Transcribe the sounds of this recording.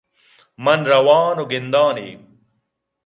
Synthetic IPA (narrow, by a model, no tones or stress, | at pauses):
mɐnɾɐwaːnoɡind̪aːnḭː